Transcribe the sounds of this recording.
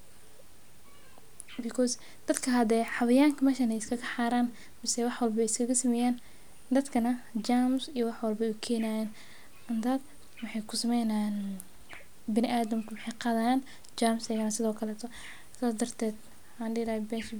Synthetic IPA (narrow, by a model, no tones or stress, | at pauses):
bikʰɔs | d̪̥ɐd̪kʰɐɦɐd̪ɛːħɑβɐjaːŋkʰɐmɛːʃɐnɛjɪskʰɐɣɐħaːɾaːn | mɪsɛwɑħwɐlbɛɪskʰɐɣɐsɐmɛjaːn | d̪ɐd̪kʰɐnɐd͡ʒaːmsijɔwɑħwɐlbɐʊkʰɛːnaːjaːn | ɐnd̪aːd̪ | wɑħɑjkʰʊsɐmɛjnan | bɪnɪʔaːd̪ɐmkʰɐwɑħɑjqɑðɐjaːn | d͡ʒaːmsɛɣɐnɐsɪðɔːkʰɐlɛːt̪ʰɔ | saːsd̪ɐrt̪ʰɛːd̪ | ħaːnɪɾaːhɛbɛːʃ